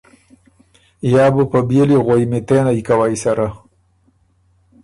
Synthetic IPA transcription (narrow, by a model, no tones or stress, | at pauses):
jɑːbupəbeliɣojmet̪enajkawajsaɾa